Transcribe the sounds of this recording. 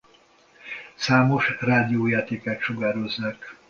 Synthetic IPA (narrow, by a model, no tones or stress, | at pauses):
saːmo̞ʃraːd̪ijoːjaːt̪eːkɛt̪ʃoɡaːɾozːak